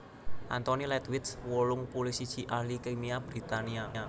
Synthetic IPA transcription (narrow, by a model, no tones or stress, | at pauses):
ʔa̰nt̪onilɛt̪wɪt̪swɔlʊŋpulisid̥ʒ̥i̤ʔahlikemiabɾi̤t̪aniaa